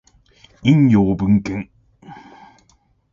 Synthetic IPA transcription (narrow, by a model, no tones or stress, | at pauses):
iŋjobɨŋ̩kɛŋ